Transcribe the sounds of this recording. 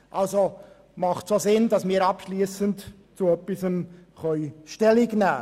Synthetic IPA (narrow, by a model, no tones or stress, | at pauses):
ʔɑlzo | mɑχtsozɪnd̥ɑsmiːɾɑpʃliːsənt | t͡suœpːɪsəmχœʏʃtɛlɪɡnæː